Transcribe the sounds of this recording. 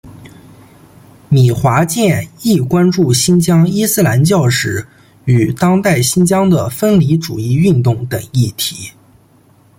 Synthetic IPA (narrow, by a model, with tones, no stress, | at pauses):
mi˨˩xwa˧˥t͡ɕjɛ˥˧ni˥˩kwa˥nʈ͡ʂu˥˩ɕi˥nt͡ɕjɑ˥ŋi˥sɹ̩˥˧la˧˥nt͡ɕjɑ˥˧ʊʂɻ̩˨˩ | y˨˩t̪ɑ˥ŋt̪a˥˩ɪɕi˥nt͡ɕjɑ˥ŋd̪ə˨˩fə˥nli˧˥ʈ͡ʂṵ˨˩i˥˧y˥˧nt̪ʊ˥˩ŋt̪ɤ˨˩ŋi˥˩t̪ʰi˧˥